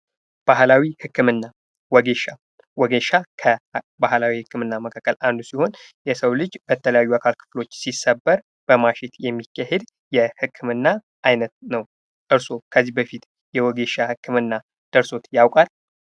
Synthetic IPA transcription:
b̥ahlawihɨkːɨmɨnːa | wɔɡeʃa | wɔɡeʃakʰə | bahlawihɨkʰːɨmɨnːaməkʰakːəlʔand̪usiho̞njɛsəwlɨd͡ʒb̥ət̪ʰələjajːuakʰalkʰɨ̥flo̞t͡ʃːsisːəbːəɾ | b̥əmaʃet̪jɛmːikʰːaɦed̪ | jɛhɨkʰːɨmɨnːa | ʔajnət̪nəw | ʔɨɾso̞kʰəzːihbəfit̪ | jɛwɔɡeʃahɨkːɨmɨnːa | d̪̥əɾso̞t̪jawkʼal

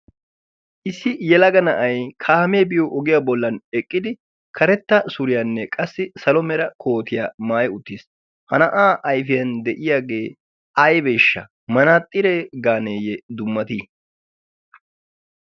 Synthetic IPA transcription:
ʔɪsːɪjɛlɐɡɐnɐʔɐjkʰaːmeːbɪjɔʔɔɡɪjaːbɔlːɐnɛkʼːɪd̪ɪ | kʰɐɾɛt̪ːɐsʊɾɪjɐnːɛkʼɐsːɪsɐlɔmɛɾɐkʰo̞ːt̪ɪjaːmaːjʊt̪ːis | hɐnɐʔaːʔɐjfɪjɐnd̪ɛʔɪjaːɡe̞ː | ɐjbeːʃːɐ̰ | mɐnaːt̪ʼːɪɾeɡaːneːjɛd̪ʊmːɐt̪i

